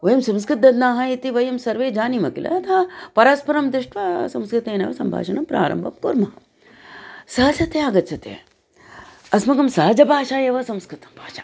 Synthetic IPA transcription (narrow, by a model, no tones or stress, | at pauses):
ʋɐjɐmsɐ̃mskɾɪt̪̚d̪ɐd̪naːɦãjit̪iʋɐjɐmsɐɾʋeːd͡ʒaːnimɐkilʔɐ̰t̪ʰaːpɐɾaːspɐɾɐmd̪ɪʂʈʋasɐmskɾɪt̪enɐ̰ʋɐsɐmbʱa̰ːʃɐnɐmpɾa̰ːɾɐ̰mbʱɐmkuɾmɐɐ | sɐɦɐt͡ʃʰɐt̪eaɡɐt̪sʰɐt̪ḛ | ɐsmɐɡɐmsɐɦɐd͡ʒɐbʱaːʃaːjɐʋɐsɐ̃mskɾɪt̪ɐmbʱaːʃaː